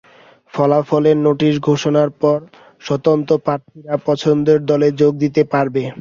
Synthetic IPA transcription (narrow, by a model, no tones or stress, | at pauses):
fɔlafɔleɾnoʈiʃ̬ɡʱoʃonaɾpɔɾ | ʃɔt̪ont̪opɾaɾt̪ʰiɾapɔt͡ɕʰond̪eɾd̪ɔled͡ʑoɡ̚d̪it̪epaɾbe